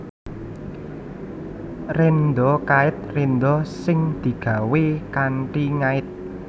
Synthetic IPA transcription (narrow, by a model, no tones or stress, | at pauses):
rend̪ɔkaɪt̪̚rend̪ɔsɪŋd̪̥i̤ɡ̥ä̤wekaɳʈiŋaɪt̪̚